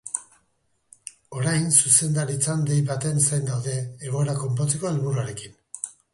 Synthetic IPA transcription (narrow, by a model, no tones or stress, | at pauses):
o̞ɾajnsuse̞nd̪aɾit͡sand̪ejβat̪e̞nsajnd̪awðe̞ːɣ̞o̞eɾako̞mp̬o̞t͡se̞ko̞elβuɾuaɾe̞kin